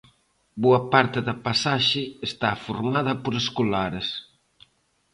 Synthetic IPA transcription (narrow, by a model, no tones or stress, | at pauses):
boɐpaɾt̪ɪðɐpasaʃɪest̪afoɾmaðɐpoɾeskolaɾes